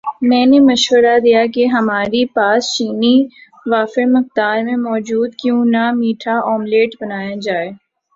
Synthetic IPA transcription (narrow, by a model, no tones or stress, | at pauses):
mɛ̃ːnemɐʃʋəɾad̪ijakeɦɐmaːɾipaːst͡ʃiːni | ʋaːfemɐq̚d̪aːɾmẽmɔːd͡ʒuːd̪kjũːnamiːʈʰaɔːmleːʈbɐnaːjad͡ʒaːeː